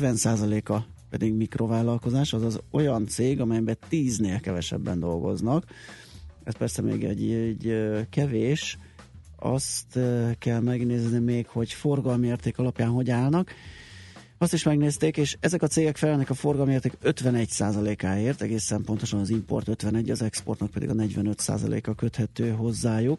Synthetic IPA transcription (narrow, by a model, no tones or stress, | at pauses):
vɛnsaːzɒleːkɒpɛd̪iɡmikro̞vaːlɒlko̞zaːʃɒzɒzo̞jɒnt̪seːɡɒmɛjbɛt̪iːzneːlkɛvɛʃɛ̰bːɛ̰nd̪o̞̰lɡo̞̰znɒk | ɛ̰st̪pɛrsɛmḛːɡɛ̰ɟɟkɛveːʃ | ɒ̰st̪kɛlmɛɡneːznimeːkho̞ɟfo̞rɡɒlmeːrt̪eːkɒlɒpjaːnɦo̞ɟaːlnɒk | ɒst̪iʃmɛɡneːst̪eːkeːʃɛzɛkɒt̪seːɡɛkfɛlɛnɛkɒfo̞rɡɒlmeːrt̪eːkøt̪ʋɛnɛcsaːzɒleːkaːeːrt̪ɛɡeːsɛmpont̪o̞ʃɒnɒzimpo̞̰rt̪øt̪ʋɛnɛɟːɒzɛkspo̞̰rt̪nɒk̚pɛd̪ḭɡɒnɛɟʋɛnø̞t̪sa̰ːzɒ̰lḛːkɒkø̞t̪hɛt̪øːɦo̞zːaːjuk